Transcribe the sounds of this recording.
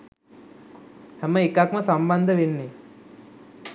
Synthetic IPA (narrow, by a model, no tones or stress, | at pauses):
hɛməekakməsamband̪əʋenːi